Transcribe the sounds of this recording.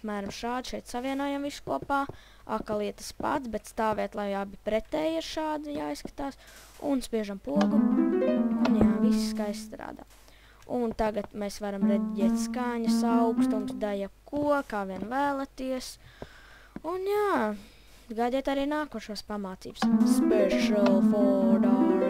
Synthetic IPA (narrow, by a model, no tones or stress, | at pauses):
apmæːɾamʃaːd̪ʃɛjt̪saʋiɛnuɔjamvisu̥kuɔpaː | a̰kalˠiɛt̪ə̥spa̰t̪sbet̪st̪aːʋɛːt̪lˠajabipɾɛt̪ɛːjiɾʃaːd̪ijaːijskḁt̪aːs | ṵnspiɛʒampuɔɡu | unʲjavisi̥skajssːt̪ɾa̰ːd̪a̰ | unt̪aɡat̪mɛsʋaɾamɾed̪iɟʲɛːt̪ʲskaɲɐsawkst̪umsd̪ajakuɔkaːʋiɛnvæːlˠat̪iɛs | unjaː | ɡaːd̪ʲɛːt̪aɾiːnaːkuɔʃaːspamaːt̪sḭːb̥sspɛʃalˠfɔɾa